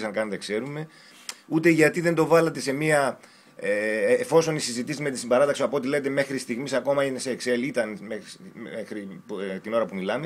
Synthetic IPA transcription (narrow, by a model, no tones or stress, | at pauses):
sɐŋkɐnɐt̪e̞kse̞ɾume̞ | ut̪e̞ʝɐt̪iðe̞nd̪o̞vɐlɐt̪e̞se̞miɐ | eːfo̞so̞nisizit̪isizmet̪isimbɐɾɐt̪ɐksiɐpoot̪ilenet̪eme̞xɾist̪iɣmisɐko̞mɐineseːkselit̪ɐnmeexɾipt̪ino̞ɾɐpumilɐme